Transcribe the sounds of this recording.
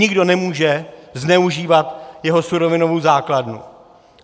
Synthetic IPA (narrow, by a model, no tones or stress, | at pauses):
ɪɡdo̞nɛmuːʒɛznɛuʒiːvat̪jɛɦo̞suɾo̞vɪno̞vowzaːkladnṵ